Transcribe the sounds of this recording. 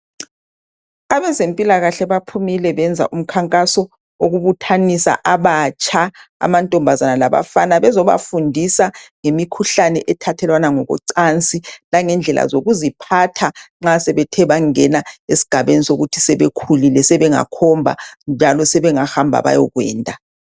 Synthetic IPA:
aβɛzempʼilaɣaɬɛβapʰumilɛβɛnd͡zʱa̰ʔum̩kʰaŋkʼasɔ | oɣuβutʰanisa̰ʔaβat͡ʃʼʰaa̰mantʼɔmbʱazanalaβa̰fanaβɛzɔβa̰fundʱisaŋemikʰuɬanɛʔɛtʰatʰɛlwanaŋɔɣɔ̰ǀant͡sʼilaŋɛnd͡ɮʱɛlʔa̰zoɣuzipʰatʰaŋ͡ǁasɛβɛtʰɛβaŋɛnaesi̥ɡ̥ʱaβenisoɣutʰi̥sɛβekʰulilɛsɛβɛŋa̰kʰɔmbʱa̰nd͡ʒʱalɔsɛβɛŋahambʱa̰βa̰jɔɣwɛ̰ːntʼa

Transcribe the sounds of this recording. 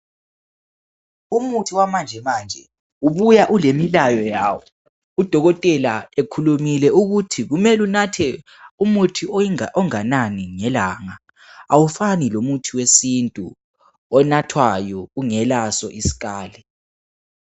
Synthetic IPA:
umutʰiwamand͡ʒʱɛmaːnd͡ʒʱɛ | uβujaʔulemilajɔjaːwɔ | ud̥ʱɔɣɔtʼɛlaekʰulumilɛuɣutʰiɣumɛlunatʰɛ | umutʰiʔɔŋananiŋɛlaːŋa | awufanilomutʰiwesintʼṵ | ɔnatʰwajɔuŋɛlasɔ̰ʔisi̥ɣaːlɛ

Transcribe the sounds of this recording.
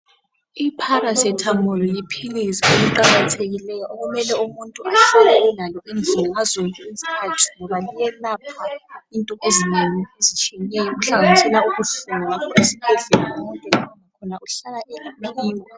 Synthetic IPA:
ipʰaɾasɛtʰamɔlɔjipʰilisieliǃaɣatʰeɣilɛjɔʔoɣumɛlɛumuntʼuaɬɛlɛlɛnalɔʔind͡ɮʱilaazoluezikʰatʰi̥ŋɔβalijɛlapʰaintʼɔʔezineŋiezit͡ʃʼiɛnɛjɔmuɬaŋanisɛlauɣuɬuŋaesib̥ʱeɮɛlaamɔŋkʼɛkɔnakʰɔnauɬalaʔɛlamiliːwɔ

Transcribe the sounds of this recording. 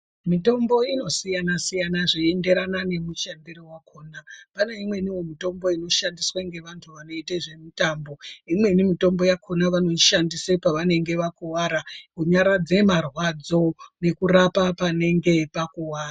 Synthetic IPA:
mito̞mbo̞ino̞sijanasijanaʐeende̞ɾanane̞mut͡ʃandiɾowakʰoːnapaneimwe̞niwomito̞mbo̞ino̞ʃandiswaŋɡe̞ʋantʰuʋano̞iteʐe̞mitaːmboimwe̞nimito̞mbo̞jakʰo̞naʋano̞iʃandisepaʋane̞ŋɡe̞ʋakuwaɾakuɲaɾad͡ze̞marwad͡zo̞nekurapapane̞ŋɡe̞pakuwaːra

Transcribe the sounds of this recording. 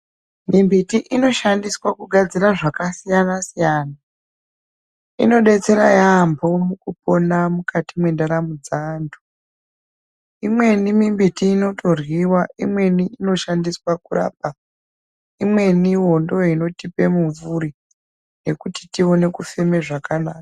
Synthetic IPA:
mimbitiʔino̞ʃandiswakuɡʱad͡ziɾaʐakasijanasijaːna | ḭno̞ɗe̞t͡se̞ɾajambʱo̞mukupo̞namukʰatimwendaɾamud͡zaːndu̥ | imwe̞nimimbitiːno̞tʰo̞rwiwaimwe̞niːno̞ʃandiswakura̰ːp̚a | imwe̞niɦo̞ndo̞ino̞tipe̞muɱvuɾi | ne̞kuti̥tio̞ne̞kufeme̞ʐakanaːkḁ

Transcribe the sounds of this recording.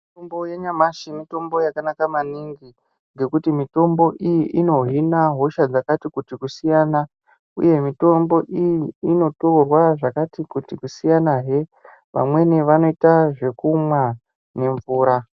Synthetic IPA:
itombojeɲamaʃimito̞mbo̞jakanakamaniŋɡi | ŋɡe̞kutimito̞mbo̞ʔijiʔino̞ɦinaɦoʃad͡zakatikutikusijaːna | ṵje̞mito̞mbo̞ʔijiːno̞torwaʐakatikutikusijanaɦe̞ | ʋa̰mwe̞neʋano̞itaʐe̞kumwa | ne̞ɱvuːɾa

